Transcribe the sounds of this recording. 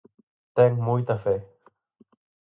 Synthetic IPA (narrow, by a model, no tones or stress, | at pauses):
t̪ɛŋmujt̪afɛ